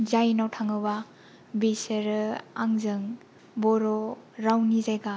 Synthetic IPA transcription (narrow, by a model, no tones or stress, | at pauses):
zajnawtʰaŋɯba | biseɾɯaŋzɯŋ | bɔɾɔɾawnizajɡa